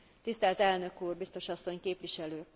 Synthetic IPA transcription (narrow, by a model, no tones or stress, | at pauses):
t̪ist̪ɛlt̪ɛlnø̞kuːrbist̪oʃɒsːo̞ɲkeːpʋiʃɛløː